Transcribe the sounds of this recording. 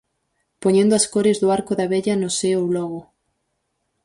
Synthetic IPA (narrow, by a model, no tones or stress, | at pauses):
poɲẽnd̪oɐskoɾezðoaɾkʊðɐβeʎɐnʊseowlɔɣʊ